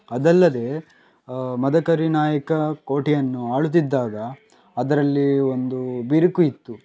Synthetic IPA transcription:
ɐd̪ɐlːɐd̪e̞ː | mɐd̪ɐkɐɾinaːjɐkɐko̞ːʈijɐnːuaːɭut̪̬ːid̪ːaːɡɐː | d̪ɐɾɐlːio̞nd̪ubiɾikuit̪ːu

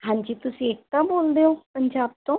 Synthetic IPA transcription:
ɦãːɲd͡ʒiːt̪ʊsĩet̪ãboːld̪eoːpəɲd͡ʒaːbt̪õː

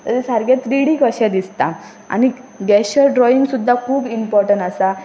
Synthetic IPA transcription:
t̪əɾisəɾɡat̪ɾiɽikəɕɛd̪ist̪a | a̰niɡɛɕəɾɖɾɔiŋɡsud̪ʱːakʰuːbimpɔɾʈəɳʈasa

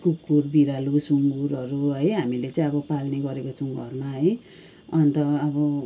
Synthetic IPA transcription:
kukːurbiɾalusuŋɡuɾʌɾuɦʌjɦamilet͡saĩʌbʌpalneɡʌɾekot͡sʰuŋɡʌrmaɦʌj | ʌnt̪ʌːbʌ

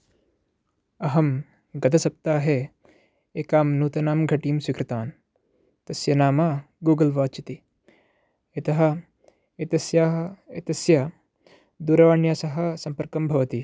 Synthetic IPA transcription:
ɐɦɐm | ɡɐd̪ɐsɐp̚t̪aːɦe | eːkaːmnuːt̪ɐnaːmɡʱɐʈiːmswikɾɪt̪aːn | t̪ɐsjɐnaːmaː | ɡuːɡɐlʋaːt͡ʃit̪i | et̪ɐɦɐ̆ | et̪ɐsjaːɐet̪ɐsjɐ | d̪uːɾɐʋaːɳjaːsɐɦɐ̆sɐmpɐɾkɐmbʱɐʋɐt̪i

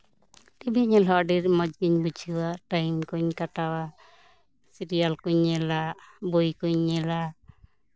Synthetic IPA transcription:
ʈibʱiɲɛlɔaɖiɾmɔd͡ʒɡiɲbud͡ʒʱiwaʈajmkuɲkaʈawa | siɾijalkuɲɛlabojkuɲːɛla

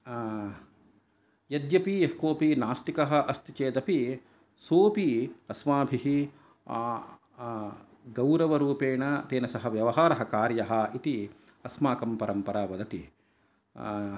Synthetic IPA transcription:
jɐd̪jɐpiɐhkoːpinaːst̪ikɐɦɐ̆ʔɐst̪it͡ʃeːd̪ɐpi | soːpiɐsmaːbʱiɦi | ɡɐwɾɐʋɐɾuːpeːɳɐt̪eːnɐsɐɦɐʋjɐʋɐɦaːɾɐɦɐ̆kaːɾjɐɦɐ̆it̪i | ɐsmaːkɐmpɐɾɐmpɐɾaːʋɐd̪ɐt̪i

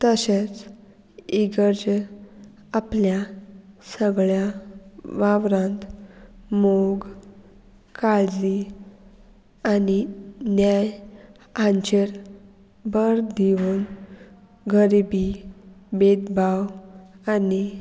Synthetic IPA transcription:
t̪əɕet͡s | iɡəɾd͡ʑ | apljasəɡɭjaʋaʋɾãnt̪ | moɡ | kalli | aninjaj | aɲt͡ɕeɾ | bəɾd̪ʱiʋuːn | ɡʱəɾibibed̪bawani

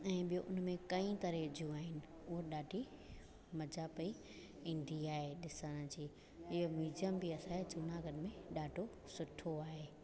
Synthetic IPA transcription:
ɛ̃ːɓijoʔʊnmẽkɐĩt̪ɐɾed͡ʑũaːɦɪnɪ̆ | ʊɦoɗaːɖʱi | mɐd͡ʑʱapɐi | ĩːn̆d̪ʱiaːɦeɗɪsəɽ̃ə̆d͡ʑiː | ɪɦomiːd͡ʑijəmbɪɐsãet͡ɕʊnaɡənmẽɗaːɖʱo | sʊʈʰoaːɦeː

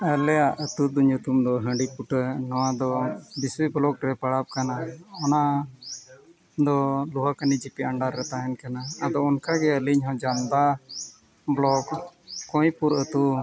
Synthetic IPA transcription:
əlɛjaʔət̪ud̪uɲut̪umd̪ɔɦə̃ɖipuʈənɔwad̪ɔbiswiblɔkɾɛpəɽap̚kanaɔna | d̪ɔluɦakanid͡ʒipiəɳɖaɾːɛt̪aɦɛnkanaːd̪ɔɔnkaɡɛəliɲɦɔ̃d͡ʒamd̪a | blɔkkːɔ̃jpuɾət̪u

